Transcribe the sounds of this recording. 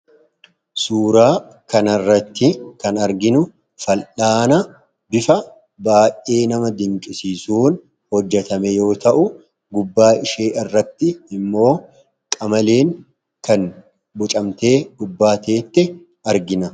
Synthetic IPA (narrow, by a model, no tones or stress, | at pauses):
suːɾaː | kɐnɐrːɐt̪ːɪkɐnɐɾɡɪnʊ | fɐlᶑaːnɐ | bɪfɐ | baːjʔeːnɐmɐd̪ɪŋkʼɪsiːsuːn | hɔd͡ʒːɛt̪ɐmɛjo̞ːt̪ɐʔʊ | ɡʊbːaːɪʃeːʔɪrːɐt̪ːɪɪmːo̞ː | kʼɐmɐleːŋ | kɐn | bʊt͡ʃʼɐmt̪e̞ːɡ̥ʊbːaːt̪e̞ːt̪ːɛ | ɐɾɡɪnɐ